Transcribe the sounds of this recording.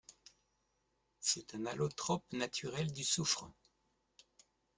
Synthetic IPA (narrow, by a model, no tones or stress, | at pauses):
sɛt̪ɛ̃nalot̪χɔpnat̪ʰyʁɛld̪ysufχə